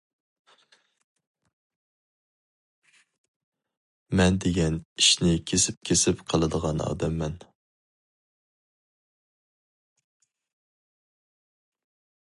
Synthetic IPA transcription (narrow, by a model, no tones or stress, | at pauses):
mɛnd̪eɡʲɛniʃnɪkʲʰesɪp̚kʲʰesɪpqʰɑlˠɨd̪əʁɑnɑ̰ːd̪ɛmːɛn